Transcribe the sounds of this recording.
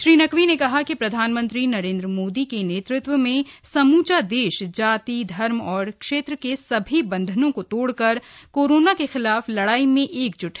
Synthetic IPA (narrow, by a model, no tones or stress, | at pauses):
ʃɾiːnɐkʋinekɐɦakipɾɐd̪ʱaːnmə̃nt̪ɾinɐɾẽːnd̪ɾəmoːd̪ikeneːt̪ɾɪt̪wəmẽsɐmuːt͡ʃad̪eːʃd͡ʒaːt̪id̪ʱɐɾmɔːɾkʃeːt̪ɾəkesɐbʱibɐ̃nd̪ʱənõkot̪oːɽkɐɾkoːɾoːnakexɪlaːflɐɽaːimẽʔeːk̚d͡ʒʊʈʰɦɛ